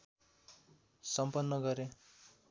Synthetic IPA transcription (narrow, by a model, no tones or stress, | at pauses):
sʌmpʌnːʌɡʌɾe